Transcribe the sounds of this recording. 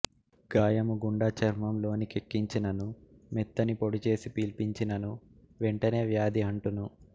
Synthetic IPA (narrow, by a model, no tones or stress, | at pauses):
ɡ̥aːjɐmuɡuɳɖɐt͡ʃɐɾmɐmlo̞ːnikekːiɲt͡ʃinɐnu | mɛt̪ːɐnipo̞ɽut͡ʃe̞ːsipiːlpiɲt͡ʃinɐnu | ʋeɳʈɐne̞ːʋjaːd̪iɐɳʈunu